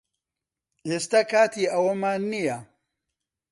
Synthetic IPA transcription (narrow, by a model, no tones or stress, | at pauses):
ʔeːst̪ɐkʰaːt̪ʰiːɐwɐmaːnːijɐ